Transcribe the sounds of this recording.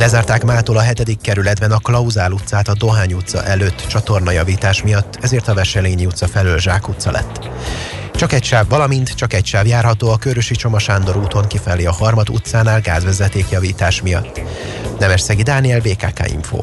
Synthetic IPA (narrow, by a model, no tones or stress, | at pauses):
lɛzaːrt̪aːkmaːt̪oːlɒɦɛt̪ɛd̪ikːɛɾylɛd̪bɛnɒklɒuzaːlut̪saːt̪ɒd̪o̞ɦaːɲut̪sɒ̰ʔɛløːt̪ːt͡ʃɒt̪o̞rnɒjɒviːt̪aːʃmijɒt̪ːɛzeːrt̪ɒvɛʃɛleːɲiut̪sɒfɛlølʒaːkut̪sɒlʔɛ̰t̪ː | t͡ʃɒkɛcʃaːbːɒlɒmint̪t͡ʃɒkɛcʃaːbjaːrɦɒt̪oːɒkøɾøʃit͡ʃo̞mɒʃaːnd̪o̞ɾuːt̪o̞ŋkifɛlːiɒhɒrmɒd̪ṵt̪saːnaːlɡaːzʋɛzɛt̪eːkjɒviːt̪aːʃmijɒ̰t̪ː | nɛmɛʃsɛɡid̪aːniɛlveːka̰ːka̰ːḭɱfo̰ː